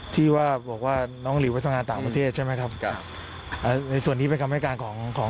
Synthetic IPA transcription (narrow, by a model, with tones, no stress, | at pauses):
t̪ʰiː˥˩waː˥˩bɔː˨˩k̚waː˥˩nɔː˦˥ŋliː˨˦a˦˥t̪ʰa˧ŋaː˧nt̪aː˨˩ŋpa˧t̪ʰeː˥˩t̪̚t͡ɕʰa˥˩jma˦˥jkʰa˦˥p̚ | ʔaː˨˩na˧jsu˨˩ənːiː˦˥pe˧nt̪ʰa˧ha˥˩kaː˧nkʰɔː˩˦ŋkʰɔː˩˦